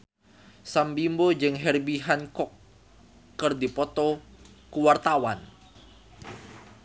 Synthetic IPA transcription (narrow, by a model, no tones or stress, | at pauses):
sambimbod͡ʒɨŋɦɛrbiɦankɔkː | ɨrdipɔt̪ɔ | kuwart̪awan